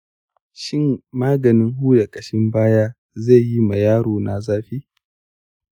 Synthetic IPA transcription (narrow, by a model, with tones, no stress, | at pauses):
ʃɪ˦mmaː˦ɡɐ˨nɪ˦ŋɦuː˦ja˨kʼɐ˨ʃɪ˦mbaː˦jaː˦ | ze˦˨ji˦mɐ˨jaː˦ɽoː˨na˨zaː˦ɸiː˦